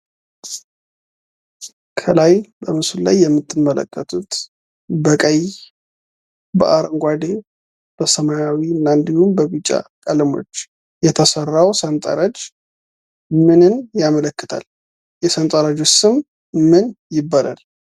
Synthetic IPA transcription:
kʰəlajbəmɨsulla̰jːɛmːɨt̪ʰːɨnːələ̰kːət̪ʰut̪ | bəkʼəj | bəʔaɾŋɡʷad̪e | b̥əsəmajawinːand̪ihumbəβɨt͡ʃʼːa̰kʼəlɨmo̞̰t͡ʃː | jɛt̪ʰəsərːawsənt̪ʼa̰ɾad͡ʒ | mɨnɨnjamələkːɨt̪ʰa̰l | jɛsənt̪ʼaɾad͡ʒosɨm | mɨnjɪbːala̰l

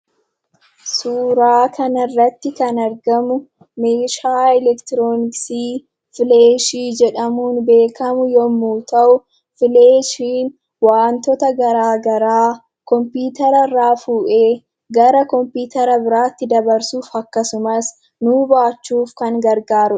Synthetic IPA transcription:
suːɾaːkʰɐnɪrːɐt̪ːɪkɐnɐɾɡɐmʊ | meːʃaːɛlɛkt̪ɪɾoːnɪksiː | fɪleːʃiːd͡ʒɛᶑɐmuːnbe̞ːkʰɐmʊjɔmːuːt̪ɐʔʊ | fɪleːʃiːn | waːnt̪ɔt̪ɐɡɐɾaːɡɐɾaː | kɔmpuːt̪ɐɾɐraːfuːʔeː | ɡɐɾɐkɔmpiːt̪ɐɾɐbɪɾaːt̪ːɪd̪ɐbɐɾsuːfɐkːɐsʊmɐs | nubaːt͡ʃːuːfkɐŋɡɐɾɡaːɾʊ

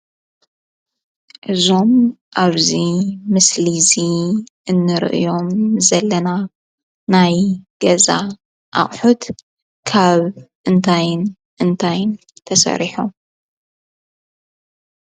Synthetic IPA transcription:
ʔɨzo̞mʔaβzimɨsliziʔɨnːɨɾɨ̰ʔɨ̰jo̞mzɐlːɐna | najɡ̥ɐza | ʔa̰χʼħut̪ | kʰaβʔɨnt̪ʰajɨn | ʔɨnt̪ʰajɨn | t̪ʰɐsɐ̰ɾiħum

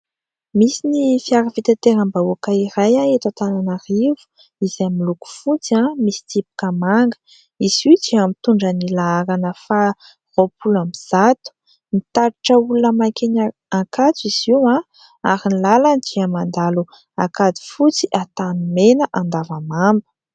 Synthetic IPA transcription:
misinifiaɾavit̪at̪eɾambauakaiɾajaet̪at̪ananaɾivu̥ | izamiluku̥fut͡siãmisi̥t̪ipu̥kəmaŋɡə̥ | iz̥id͡ʒiamit̪uɳɖ͡ʐənilaaɾanəfa | ropulamiz̥at̪u̥ | nit̪aɾiʈ͡ʂəulunəmakenaakat͡siz̥iwã | aɾinilaland͡ʒ̪iamand̪alu | akad̪i̥fut͡siʔat̪anumenəʔand̪avamambə̥

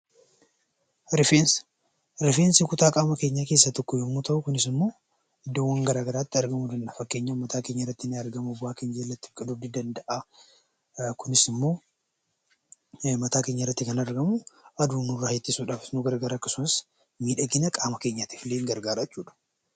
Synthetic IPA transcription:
ɾɪfens | ɾɪfeːnsikʊt̪aːkʼaːmɐke̞ːɲːake̞ːsːɐt̪ɔkːɔjɛmːut̪ʰɐʔʊkʊnɪsɪmːo̞ː | ɪd̪ːowːɐŋɡɐɾaːɡɐɾaːt̪ːɪɐɾɡɐmud̪ɐnᶑɐfɐkːe̞ːɲːɐʊmːɐt̪ʰaːkeːɲːɐɪrːɐt̪ːɪnɪɐɾɡɐmubʊaːkɪnd͡ʒeːlːɐt̪ːɪ̥kʼɐd̪ud̪ɪd̪ɐnd̪ɐʔa | kʊnɪsɪmːo̞ː | mɐt̪aːke̞ːɲːɐɪrːɐt̪ːɪkɐnɐɾɡɐmuɐd̪uːnʊrːahet̪ːɪsuːᶑaːfɪnuɡɐɾɐɡɐɾaːkːɐsʊnɪs | miːᶑɐɡɪnɐkʼaːmɐke̞ːɲːat̪ifɪleːŋɡɐɾɡaːɾɐt͡ʃːuːᶑɐ̥

